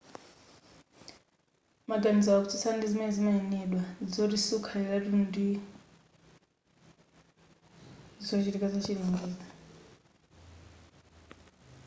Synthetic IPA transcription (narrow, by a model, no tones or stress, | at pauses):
maɡanis̬awakutʰi̥sandizimɛzimaɛnɛɗwad͡zoɾisukʰaiɾaɾundi | d͡zot͡ʃiɾikazat͡ʃʰiɺiŋɡiːd͡zḁ